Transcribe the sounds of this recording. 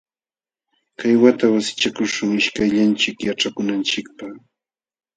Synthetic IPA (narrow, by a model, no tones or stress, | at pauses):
kajwat̪awasɪ̥t͡ʃakʊʃʊŋɪʃkajʎant͡ʃɪkjaʈ͡ʂakʊnant͡ʃɪk̚pa